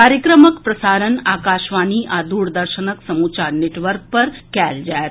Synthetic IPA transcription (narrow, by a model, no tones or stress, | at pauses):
kaːɾjəkɾəməkpɾɐsaːɾənaːkaːʃʋaniʔad̪uːɽd̪əɾʃənəksəmuːt͡ʃaɾneʈʋəɾk̚pəɾkɛld͡ʒa